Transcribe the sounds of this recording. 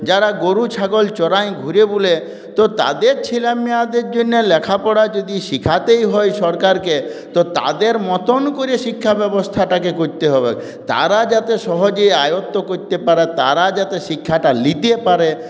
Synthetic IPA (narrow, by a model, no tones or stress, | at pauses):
d͡ʑaɾaɡoɾut͡ɕʰaɡolt͡ɕɔɾaj̃ɡʱuɾebule | t̪ot̪a̰d̪eɾt͡ɕʰilamiad̪eɾd͡ʑonːelɛkʰapɔɽad͡ʒod̪iʃikʰat̪ejɦɔjʃɔɾkaɾket̪ot̪a̰d̪eɾmɔt̪onkoɾieʃikʰːabɛbost̪ʰaʈakekoɾt̪eɦɔbe | t̪a̰ɾad͡ʑat̪eʃɔɦod͡ʑoeajot̪ːokoɾt̪epaɾet̪a̰ɾad͡ʑat̪eʃikʰːaʈalit̪epaɾe